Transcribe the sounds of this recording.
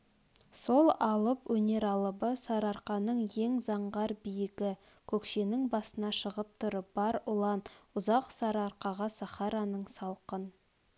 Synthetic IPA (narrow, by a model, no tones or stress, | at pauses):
so̞lˠɑlˠəpwɵne̞ɾɑlˠəbəsɑɾɑɾqɑnəɴje̞ŋzɑɴʁɑɾbijɪɡʲɪ | kʲʰɵkʃe̞nɪŋbɑsənɑʃəʁəp̚t̪ʰʊɾəb̥ɑɾʊlˠɑnʊzɑqsɑɾɑɾqɑʁɑsɑχɑɾɑnəɴsɑlˠqən